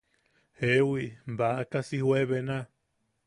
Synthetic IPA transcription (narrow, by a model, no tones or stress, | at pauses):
hewimbakasihweβena